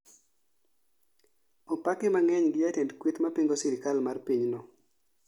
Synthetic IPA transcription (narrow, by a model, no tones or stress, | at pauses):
ɔpakɪmaŋɛɲɡɪjatendkwit̪mapiŋɡosɪɾɪkalmarpiɲnɔ